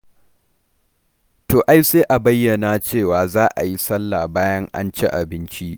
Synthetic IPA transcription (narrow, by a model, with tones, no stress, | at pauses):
toː˨ʔa˦jseː˦ʔa˨bɐ˦jːɐ˨na˨t͡ʃeː˦˨waː˨zaː˦ʔa̰˨ji˦sɐ˦lːa˨baː˦jɐ˦ŋʔa̰˦nt͡ʃe˦ʔa̰˨bɪ˦nt͡ʃi˦ʔ